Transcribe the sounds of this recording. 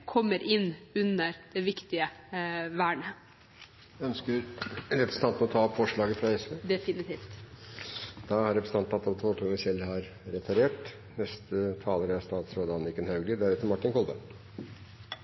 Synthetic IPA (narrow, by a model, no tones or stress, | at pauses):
kʰɔmːəɾʔɪnːʉnəɾd̪̥ɛʋɪkt̪ɪəʋæːɳə | æœnskəɾɾɛpɾəsn̩t̪ɑnt̪məɔt̪ʰɑːɔpfɔʂɭɑːɡəfɾɑɛsʋeːd̪ɛfɪnɪt̪ʰiːft̪ | d̪̥ɑhɑɾɛpɾsəɑnt̪ɑt̪ːɑʋɑt̪ʰoːʈʰunəsɛlːhɑɾɾɛt̪ʰɑɾeːʈ | nɛst̪ət̪ʰɑːləɾəæst̪ɑːt̪sɾoːd̪əɑnːɪkːənhɑʉɡlɪd̪æɾɛːt̪ːəɾmɑʈːɪnkʰɔlbə